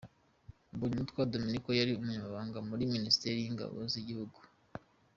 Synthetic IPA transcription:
buɲumutkwaːdominikojaɾiumuɲamaβaːŋɡamuɾiministeɾijiŋɡa̰βo̰ziɟihuɡu̥

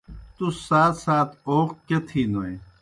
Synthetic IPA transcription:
t̪ussaːt̪saːt̪ʰoːqket̪ʰiːnoe

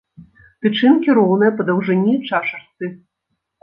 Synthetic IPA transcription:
t̪ɨt͡ʂɨnkʲiɾɔwnɐjɛpɐd̪ɐwʐɨnʲit͡ʂaʂɐrsɨ

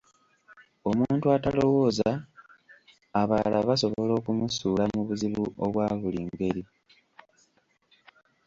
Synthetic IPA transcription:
o̞muːntuatalo̞wo̞ːza | βaːlaβaso̞βo̞lo̞ːkumusuːlamuβuziβuoβwaːβuliːŋɡe̞ɾi

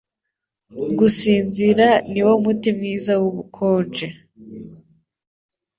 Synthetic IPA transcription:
ɡusiːnziɾaniwo̞mutimŋiːzawuβukʰoːnd͡ʒe

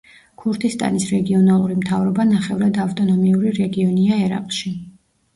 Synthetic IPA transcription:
kʰuɾt̪ʰist̪ʼa̰nisɾɛɡiɔnalˠuɾimt̪ʰavɾɔbanaχɛvɾad̪aft̪ʼɔnɔmiuɾiɾɛɡiɔniaɛɾa̰qʼʃi

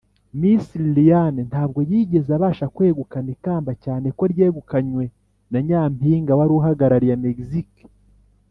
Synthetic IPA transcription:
misillijanentaːb̚ɡo̞jiːɟe̞zaβaːʃakwe̞ːɡukanekaːmbacaːneko̞ɾjeːɡukaɲwe̞ | naɲaːmpiːŋɡawaɾuɦaɡaɾaɾijameɡizik

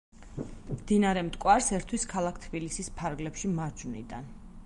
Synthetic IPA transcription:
md̪inaɾɛmt̪ʼkʼwaɾsɛɾt̪ʰwiskʰalˠakʰt̪ʰbilisispʰaɾɡlɛpʃimaɾd͡ʒnḭd̪an

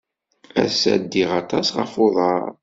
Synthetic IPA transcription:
æ̰sæ̰d̪ːiʁɑt̪ˤɑsʁə̰foðˤɑ̰ɾˤ

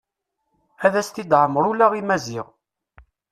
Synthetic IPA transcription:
æðæst̪id̪ʕəmːɾulæʁimæzɪʁ

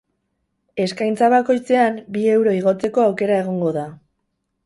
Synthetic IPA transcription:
e̞skajnt͡saβ̞ako̞jt͡se̞ambie̞wɾo̞iɣ̞o̞t͡se̞ko̞awke̞ɾae̞ɣ̞o̞ŋɡo̞ða

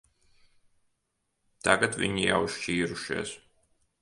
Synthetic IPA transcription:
t̪aɡat̪vʲḭɲija̰wʃt͡ʃiːɾuʃḛːs

